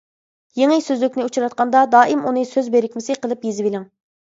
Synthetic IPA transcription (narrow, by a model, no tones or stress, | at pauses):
jeŋɪsøzlɪkʲnɪut͡ʃʰuɾɑt̪̚qɑnd̪ɑd̪ɑːʔimunɨsøzbeɾɪkʲmɪsɪqəlˠɨpjezɪbilɪŋ